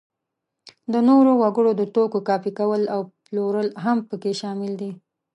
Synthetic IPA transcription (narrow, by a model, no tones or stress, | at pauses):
d̪ənoɾowaɡəɽod̪ət̪okokɑfikawəlawploɾəlɦampəkeʃɑmɪld̪i